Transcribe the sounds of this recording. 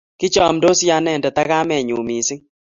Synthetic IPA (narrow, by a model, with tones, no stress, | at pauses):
kɪ˦t͡ʃɔ˨mdo˦sja˦nɛ˦˨ndɛ˨t̪a˦ka˦mɛ˨ɲu˨mi˨sɪ˦ŋ